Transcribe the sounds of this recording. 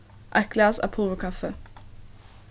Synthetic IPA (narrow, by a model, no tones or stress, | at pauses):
ʔækɡlæːsæ̰ːpʰʊlʋəkʰɑfə